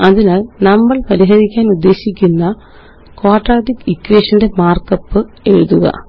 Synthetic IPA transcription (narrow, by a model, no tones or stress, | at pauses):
ɐðinaːlnɐmːɐɭpɐɾiɦɐðikʲːaːnud̪ːe̞ːɕikʲːunːɐ | koːʈraːʈikikːweːʂɐnde̞maːrkɐpːɨ | e̞ɻuðuɣɐ̰